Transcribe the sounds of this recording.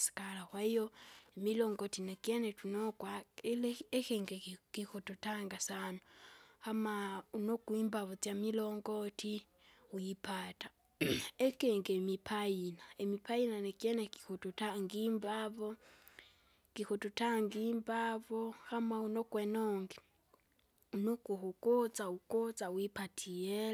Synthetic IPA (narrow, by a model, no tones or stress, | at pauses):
si̥kalaxwaijoemiloːŋɡotinekjenetunokwalexeːŋɡekixututaŋɡasanoxamaunokwiːmbaβot͡sjamiloŋɡotʰi | ujipatḁ | ekeŋɡemipʰainaemipʰainanekjeneki̥xututaŋɡiːmbaβo | kixututaŋɡiːmbaβohamaunokwenoŋɡi | unokuhukot͡saukot͡sawipatʰie